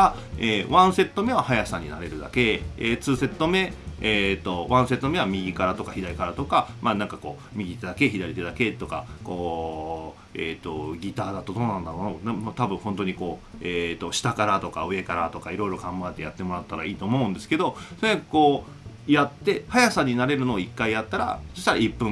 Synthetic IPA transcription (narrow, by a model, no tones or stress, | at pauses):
a | eːβãɰ̃se̞t̪ːo̞me̞βahajasãɲ̟ːinaɾe̞ɾɯ̟d̪a̰ke̞et͡sɨːse̞t̪ːo̞me̞et̪ːo̞βãɰ̃se̞t̪ːo̞me̞βamʲiɡʲikaɾat̪o̞kaçid̪aɾikaɾat̪o̞kamaːnãŋkako̞ː | mʲiɡʲit̪e̞d̪ake̞çid̪aɾit̪e̞d̪ake̞t̪ːo̞kako̞ː | eːt̪o̞ɡʲit̪aːd̪at̪ːo̞d̪o̞ːnãnd̪aɾo̞ːnonamt̪abɯ̟̃ɰ̃hõ̞nt̪o̞ɲ̟iko̞ːeːt̪ːo̞ɕi̥t̪akaɾat̪o̞ka̰ɯ̟e̞kaɾat̪o̞kaiɾo̞iɾo̞ɡãmbaet̪e̞jat̪ːe̞mo̞ɾat̪ːaɾa̰iːt̪o̞ːmo̞ɯ̟̃nd̪e̞sɨ̥ke̞d̪o̞soɾeakɯ̥ko̞ː | jat̪ːe̞hajasaɲ̟inaɾe̞ɾɯ̟no̞ːikːaijat̪ːaɾa̰d͡ʑe̥ɕt̪aɾaipːɯ̟̃